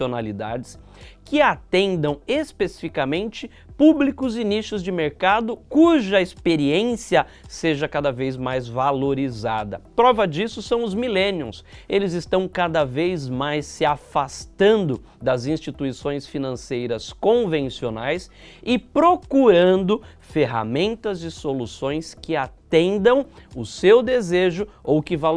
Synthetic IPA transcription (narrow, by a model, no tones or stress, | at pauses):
onalid̪ad͡ʒɪs | kɪat̪ẽnd̪ɐ̃w̃espesifikamẽnt͡ʃɪ | publikʊzɪniʃʊzd͡ʒɪmeɾkad̪ʊkuʒɐespeɾiẽsiɐseʒɐkad̪ɐvejzmajzvaloɾizad̪ɐpɾɔvɐd͡ʒisʊsɐ̃w̃ʊzmilẽnjʊ̰̃selɪzɪst̪ɐ̃w̃kad̪ɐvejzmajsːɪafast̪ɐ̃nd̪ʊ | d̪ɐzĩst͡ʃit̪uisõj̃sfinɐ̃sejɾɐskõvẽsionajsɪpɾokuɾɐ̃nd̪ʊ | feɦa̰mẽnt̪ɐzɪsolusõj̃skɪat̪ẽnd̪ɐ̃w̃ʊsewd̪ezeʒʊowkɪva